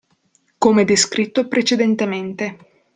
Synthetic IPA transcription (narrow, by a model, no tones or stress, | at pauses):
komed̪eskɾit̪ːopɾet͡ʃed̪ent̪ement̪e